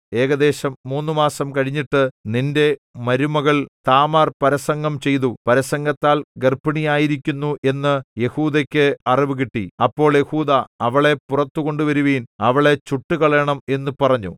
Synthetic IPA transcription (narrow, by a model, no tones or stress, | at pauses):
e̞ːɡɐd̪e̞ːɕɐmːuːnːumaːsɐmkɐɻiɲːiʈːɨninde̞mɐɾumɐɣɐɭt̪aːmaːrpɐɾɐsɐŋɡɐmt͡ɕe̞jt̪upɐɾɐsɐŋɡɐt̪ːaːlɡɐrpːɐɳijaːjiɾik̬ʲːunːuʔe̞nːɨje̞huːd̪ɐkʲːɨɐriʋɨɣ̬iʈːḭɐpːo̞ːɭjehuːd̪ɐɐʋɐɭe̞purɐt̪ːuɣo̞ɳɖuʋɐɾuʋiːnɐʋɐɭe̞t͡ɕuʈːuɣɐɭeɳɐme̞nːupɐrɐɲːṵ